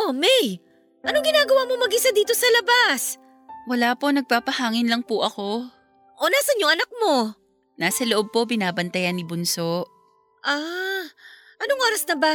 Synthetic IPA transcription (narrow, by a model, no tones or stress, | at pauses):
ʔomɛj | ʔɐnoŋɡɪnaːɡɐwaːmomɐɡɪsad̪iːt̪osɐlɐbas | wɐlaːpo̞nɐɡ̚paːpɐhaːŋɪnlɐŋpʊʔɐko̞ | ʔonaːsɐnjʊŋɐnak̚mo̞ | naːsɐloʔob̚po̞bɪnaːbɐnt̪ɐjanːɪbʊnso̞ʔ | ʔa | ʔɐnoŋʔo̞ːɾɐsnɐba